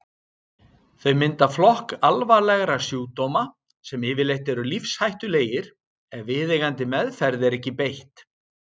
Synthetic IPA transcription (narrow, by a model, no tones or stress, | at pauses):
θœɥmɪnt̪aflɔhkalvalɛɣɾasjuːt̪owma | sɛmɪːvɪlejht̪ɛɾʏlifshajht̪ʏleːjɪɾ̥ | ɛnvɪːðejɣant̪ɪmɛðfɛɾðɪɛɾɛhcːɪpejht̪